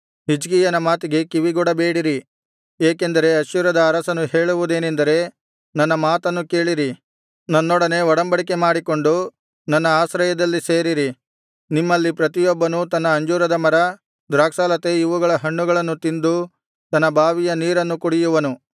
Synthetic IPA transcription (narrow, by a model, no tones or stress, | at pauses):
ɦid͡ʒɡijɐnɐmaːt̪iɡe̞kiʋiɡɔɽɐbe̞ːɽiɾi | eːkend̪ɐɾe̞ɐʃjuɾɐd̪ɐːɾɐsɐnuɦe̞ːɭuʋud̪e̞ːnend̪ɐɾe̞ | nɐnːɐmaːt̪ɐnːuke̞ːɭiɾi | nɐnːɔɽɐne̞ɔɽɐmbɐɽike̞maːɽiko̞ɳɖu | nɐnːɐaːsɾɐjɐd̪ɐlːise̞ːɾiɾi | nimːɐlːipɾɐt̪̬ijɔbːɐnut̪ɐnːɐːɲd͡ʒuːɾɐd̪ɐmɐɾɐ | d̪ɾaːksaːlɐt̪e̞iʋuɡɐɭɐɦɐɳːuɡɐɭɐnːut̪ind̪u | t̪ɐnːɐbʱaːʋijɐniːɾɐnːukuɽijuʋɐnu